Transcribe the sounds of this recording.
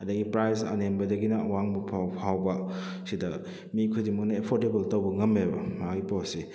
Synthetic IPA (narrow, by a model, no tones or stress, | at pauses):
ɐdɐɡipɾajzɐ̰nembɐdɐɡinɐɐwaŋbɐpʰapʰawbɐ | sidɐ | mikʰudimɐk̚nɐepʰoɾtebɐltɐwbɐŋɐmebɐmaɡipawsi